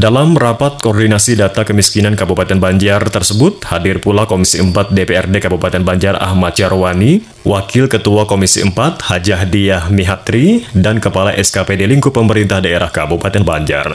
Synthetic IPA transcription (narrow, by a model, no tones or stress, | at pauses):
dalamɾapat̪̚kɔːrdinasidat̪akəmiskinankabupat̪ɛnbaɲd͡ʒart̪ərsəbʊt̪̚hadɪrpulakomisiəmpat̪̚depeɛrdekabupat̪ɛnbaɲd͡ʒara̰hmat̪̚t͡ʃaɾowani | wʔakɪlkət̪uakomisiəmpat̪̚had͡ʒaɦdiahmiɦat̪ɾidankəpalaʔɛskapedeliŋkupəməɾint̪ahdaeɾahkabupat̪ɛnbaɲd͡ʒa̰r